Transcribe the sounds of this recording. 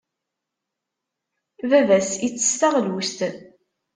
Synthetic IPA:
vævæsit͡sːə̥st̪aʁlust̪

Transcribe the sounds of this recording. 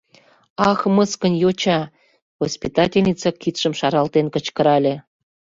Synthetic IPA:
ɑxməskə̆njot͡ɕɑ | ɣospʲit̪ɑtʲelʲnʲit͡sɑkit̪ʃə̆mʃɑɾɑlt̪enkə̆t͡ɕkə̆ɾɑlʲe

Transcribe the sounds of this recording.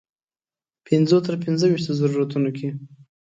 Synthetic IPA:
pɪnzot̪əɾpɪnzəwiʃt̪ozaɾuɾat̪unokʰe

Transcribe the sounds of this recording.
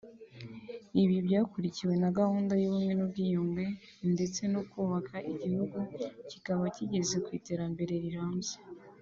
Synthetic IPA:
iβiβɟaːkuɾiciwe̞naɡahuːndajuβumŋe̞nub̚ɡiːjumɡe̞ | nde̞t͡se̞nokuβakʰaʔiɟihuɡucikaβaciɟe̞ze̞kwiːte̞ːɾambe̞ɾe̞ɾiɾaːmze̥

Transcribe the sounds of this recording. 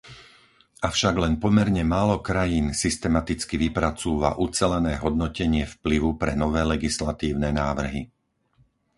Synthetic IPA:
ʔafʃaɡlɛnpɔmɛɾɲɛmaːlɔkɾajiːnsist̪ɛmat̪it͡skiʋipɾat͡suːʋa̰ʔut͡sɛlɛnɛːɦɔd̪nɔcɛɲɪɛfpliʋupɾɛnɔʋɛːlɛɡislat̪iːʊnɛnaːʋr̩ɦi

